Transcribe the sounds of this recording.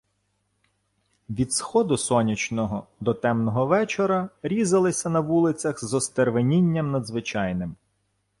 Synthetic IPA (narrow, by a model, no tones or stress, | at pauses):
ʋʲid̪sxɔd̪ʊsɔnʲit͡ʃnɔɦɔd̪ɔt̪ɛmnɔɦɔʋɛt͡ʃɔɾɐɾʲizɐlˠɪsʲɐnɐʋulˠɪt͡sʲɐxzɔst̪erʋenʲinʲːɐmnɐd̪zʋɪt͡ʃɑjnɪm